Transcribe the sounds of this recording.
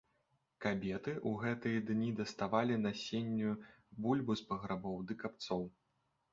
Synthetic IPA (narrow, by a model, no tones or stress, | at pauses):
kabʲɛt̪ɨʔuɣɛt̪ɨjɐd̪nʲid̪ɐst̪avalʲinɐsʲenʲːubulʲbuspɐɣɾabɔwd̪ɨkapt̪sɔw